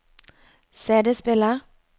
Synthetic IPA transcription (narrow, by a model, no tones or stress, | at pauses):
seːd̪əspɪləʁ